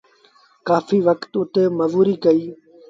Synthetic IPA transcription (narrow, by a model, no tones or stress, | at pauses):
kaːfiːʋəkt̪ʊt̪emɐzuːɾiːkəiː